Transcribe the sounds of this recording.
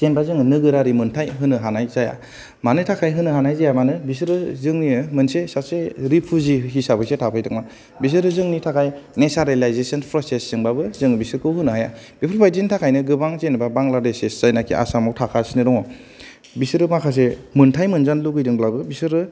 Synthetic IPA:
senbazɯŋɯnɯɡɯɾaɾimɯntʰajɦɯnɯɦanajzaja̰ | manɯtʰakʰajɦɯnɯɦanajzajamanɯbis̬ɯɾɯzɯŋniɯmɯnsesaseɾipʰuziɦisabɯjsetʰapʰɯjtʰɯk̚ma | bis̬ɯɾɯzɯŋnitʰakʰajnesaɾelajzesɔnpʰɾɔsesːɯŋbabɯzɯŋbisɯɾkʰɯwɦɯnɯɦajab̥ipʰuɾpʰajzintʰakʰajnɯɡɯbaŋzenibabaŋlaɾdeseszajnakʰḭʔa̰samawtʰakʰasinɯɾɔŋɔ | bisɯɾɯmakʰas̬emɯntʰajmɯnzanluɡɯjdɯŋblabɯbisɯɾɯ

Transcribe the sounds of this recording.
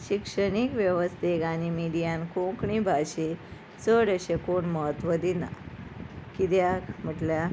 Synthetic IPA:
ɕikʂəɽ̃ikʋjəʋəst̪ʰeɡanimiɽijãnkõkɳibʱaɕe | t͡səɽəɕekoɳməɦət̪ʋəd̪ina̰ | kid̪jakm̤əʈlja

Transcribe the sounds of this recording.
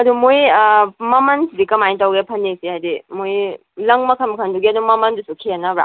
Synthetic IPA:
ɐdumojmɐmɐnsidikɐmajntawɡepʰɐnːesihajdimoj | lɐŋmɐkʰanmɐkʰɐnduɡiɐdumɐmɐndusukʰianabɾa̰

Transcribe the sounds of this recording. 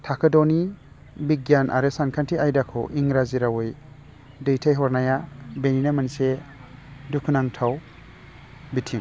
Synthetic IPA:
tʰakʰedɔni | biɡjanʔa̰ɾɯsankʰantʰiajdakʰɔ̰ʔiŋɾaziɾawɯj | dɯjtʰajɦɔɾnajabeninamanse | dukʰunaŋtʰaw | bitʰiŋ

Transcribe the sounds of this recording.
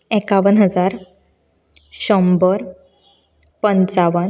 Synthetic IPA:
ekaʋənɦəd͡zaɾ | ɕɔmbəɾ | pənt͡saʋən

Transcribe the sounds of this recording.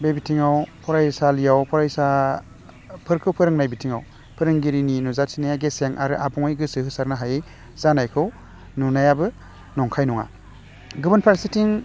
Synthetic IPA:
bebitʰiŋawpʰɔɾajsalijawpʰɔɾajsa | pʰɯɾkʰɯwpʰɯɾɯŋnajbitʰiŋa̰w | pʰɯɾɯŋɡiɾininuzatʰinajaɡeseŋʔa̰ɾɯʔabɔŋɯjɡɯsɯhɯsaɾnaɦaje | z̥anajkʰɯw | nɔnajabɯ | nɔŋkʰajnɔŋa̰ | ɡɯbɯnpʰaɾsitiŋ

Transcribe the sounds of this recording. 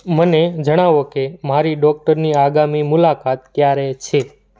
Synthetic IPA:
məned͡ʒəɽ̃aʋokemaɾiɖɔk̚ʈəɾniaɡamimʊlakat̪̚kjaɾet͡ʃʰe

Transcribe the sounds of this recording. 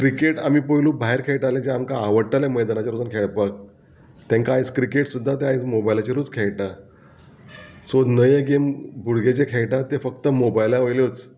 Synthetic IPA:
kɾikeʈamiːpəjlũːbʱaɦeɾkʰejʈaled͡ʑeamkaːʋəɽʈaleməjd̪anat͡ɕaɾud͡zənkʰeɭpak̚ | t̪ẽŋkaːjt͡skɾikeʈsud̪ʱːat̪eajt͡smobajlat͡ɕiɾuːd͡zkʰejʈa | sod̪nəjəɡembʱuɽɡed͡ʑekʰejʈat̪efəkt̪əmobajlaʋəjljot͡s

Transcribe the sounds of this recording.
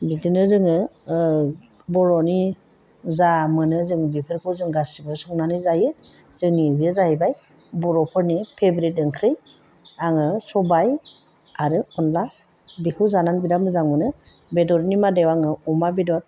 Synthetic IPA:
bidinɯzɯŋɯ | bɔɾɔni | zamɯnɯzɯŋbipʰɯɾkʰɯzɯŋɡasibɯsɔŋnanɯjzajɯ | z̥ɯŋnibijezahibajbɔɾɔpʰɯɾnipʰebɾit̚ɯŋkʰɾɯj | aŋɯsɔbaj | aɾɯɔnla | bikʰɯzananbidamɯzaŋmɯnɯ | bedɔɾnimadewaŋɯɔmabidɔt̚

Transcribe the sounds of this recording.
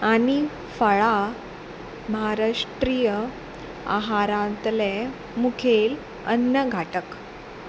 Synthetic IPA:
aɽ̃i | fəɭa | məɦaɾaʂʈɾijə | a̰ɦaɾãt̪le | mukʰel | ənːəɡʱaʈək

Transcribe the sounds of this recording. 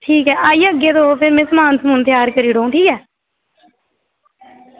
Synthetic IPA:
ʈʰiːkɦɛːʔaːiːəɡeːd̪oːopʰɪɾmɛ̃ːsəmaːnsəmuːnt̪jaːɾkəɾiːɽõːʈʰiːkɛː

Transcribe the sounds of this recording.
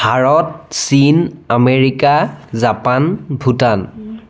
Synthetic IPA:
bʱaɹɔt̚sinameɹikazapanbʱutan

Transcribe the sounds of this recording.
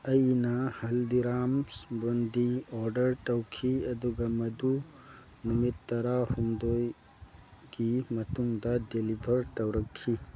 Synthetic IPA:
ɐjnɐhɐldiɾamsbondioɾdɐɾtɐwkʰiɐduɡɐmɐdu | numitːɐɾahumdoj | ɡ̥imɐtuŋdɐdelibʱɐɾtɐwɾɐkʰːi

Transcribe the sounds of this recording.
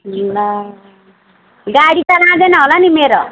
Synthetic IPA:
na | ɡaɽit͡sʌlãd̪enʌɦolanimeɾo

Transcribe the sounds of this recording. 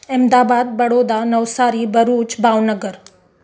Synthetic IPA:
emd̪aːbad̪̚bəɽod̪anəʋsaːɾibəɾuːt͡ʃbʱaʋnəɡəɾ

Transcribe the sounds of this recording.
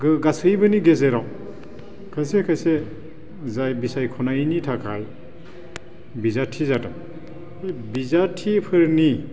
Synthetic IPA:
ɡɯɡasɯjbɯniɡezeɾaw | kʰajsekʰajse | zajbisajkʰɔnanitʰakʰaj | bizatʰizata | jbizatʰipʰɯɾni

